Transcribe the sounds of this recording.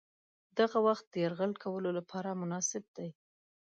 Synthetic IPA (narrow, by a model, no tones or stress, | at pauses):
d̪aɣawaxt̪̚d̪əjaɾɣəlkʰawəlolapʰɑɾamʊnɑsɪb̚d̪aj